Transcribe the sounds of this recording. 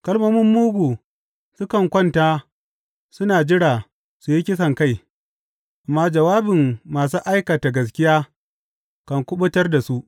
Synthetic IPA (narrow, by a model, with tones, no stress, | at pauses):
kɐ˦lmɐ˦mʊ˦mːuː˦ɡʷuː˨ | sʊ˦kɐ˨ŋkʷɔ˦ntaː˦ | sʊ˦naː˨d͡ʒɪ˦ɽaː˨ | su˨ji˦kʲɪ˦s̬ɐ˨ŋka˦˨j | ʔa˨mːaː˦d͡ʒɐ˨waː˦bɪ˨mːaː˨s̬u˦ʔa˦jka˨ta˨ɡɐ˨s̬kʲɪ˦jaː˦ | kɐ˨ŋkʷʊ˦ɓʊ˦tɐ˦rda˨su˦ʔ